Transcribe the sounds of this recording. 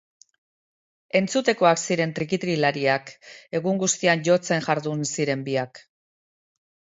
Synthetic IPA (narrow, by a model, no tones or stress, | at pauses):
e̞nt͡sut̪e̞ko̞aksiɾe̞nt̪ɾikit̪ɾilaɾiake̞ɣuŋɡust̪ianʝo̞t͡se̞ŋʝaɾðunsiɾe̞mbiak